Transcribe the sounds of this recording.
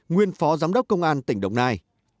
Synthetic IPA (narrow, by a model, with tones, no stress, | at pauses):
ŋwi˧ənfɔ˨˦zaː˨˦mɗə˦˥k͡p̚kːə˧wŋ͡mʔaː˧nt̪ï˧˩ŋ̟ɗə˧wŋ͡mnaː˧j